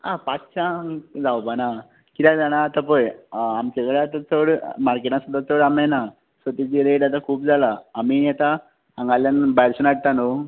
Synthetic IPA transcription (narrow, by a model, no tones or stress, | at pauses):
a̰pat͡st͡ɕãd͡zawpana | kit̪ãd͡zaɽ̃aːt̪apəjamt͡ɕeɡɭeat̪at͡səɽmaɾkeʈãsəd̪at͡səɽamana | sət̪it͡ɕiɾeʈat̪akʰuːp̚d͡zʱalaːmiat̪a | ãŋɡaljanbajɾsunaʈ̚t̪ano